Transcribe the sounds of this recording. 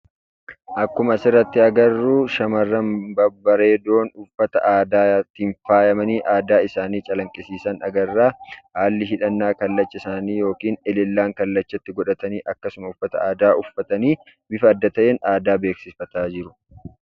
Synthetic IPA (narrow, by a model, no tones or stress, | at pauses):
ʔɐkːʊmɐsɪrːɐt̪ːɪɐɡɐrːuːʃɐmɐrːɐmbɐbɐɾe̞ːd̪o̞ːnʊfːɐt̪ɐ̰ʔaːd̪aːt̪ːɪɱfaːjɐmɐniːʔaːd̪aːɪsaːniːt͡ʃʼɐlɐŋkʼɪsiːsɐnɐ̰ɡɐrːaːhaːlːɪɦɪᶑɐnːaːkɐlːɐt͡ʃːɐɪsaːniːjo̞ːkiːnɛlɪlːaːŋkɐlːɐt͡ʃːɐt̪ːɪɡɔᶑɐt̪ɐniːʔɐkːɐsʊmɐʊfːɐt̪ɐ̰aːd̪aːʔʊfːɐt̪ɐniː | bɪfɐːd̪ːɐt̪ɐʔenaːd̪aːbe̞ːksɪfɐt̪aːd͡ʒɪɾʊ̥